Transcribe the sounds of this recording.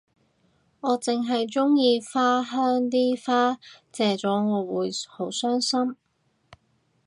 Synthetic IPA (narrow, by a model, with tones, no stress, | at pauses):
ŋɔː˨˧t͡sɪ˨ŋɦɐ˨jt͡sʊ˥ŋjiː˧faː˥ɦœː˥ŋt̪̬iː˥faː˥t͡sɛː˨t͡sɔː˨˥ŋɔː˨˧wuː˨˧jho˨˥wsœː˥ŋsɐ˥m